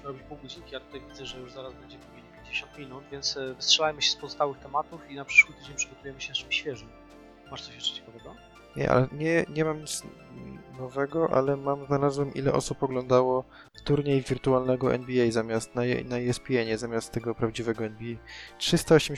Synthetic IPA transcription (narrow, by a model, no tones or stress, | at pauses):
ɾɔbʲipuwɡɔd͡ʑikʲijat̪u̥t̪ajvʲid̪zɛʐɛjuʐzaɾazbɛɲd͡ʑɛpubʲiɲipʲjeɲd͡ʑeɕɔ̃nt̪mʲinut̪vʲjɛnt̪svɨstʂɛlajmɘɕɛ̥spɔzɔst̪awɘxt̪ɛmat̪ufinapʂɘ̥ʂwɘt̪ɘd͡ʑeɲʲpʂɨɡɔt̪ujɛmɘɕɛnat͡ʂɨmɕfʲjɛʐɛ | maʂt̪sɔɕɛʂt͡ʃɛ̥t͡ɕɛ̥kavɛɡɔ | ɲɛ̰ʔa̰lɛɲɛɲɛmamɲit̪s | nɔvɛɡɔʔa̰lɛmamznalazwɛmʔḭlɛ̰ʔɔ̰supɔɡlɔ̃nd̪awɔ | t̪uɾɲejvʲiɾt̪ualnɛɡɔʔɛ̰nbʲiɛjzamʲjast̪na̰naiɛspʲiɛɲɛzamʲast̪ːɛɡɔpɾavd͡ʑivɛɡɔɛnbʲiɛjtʂɘst̪aɔɕɛm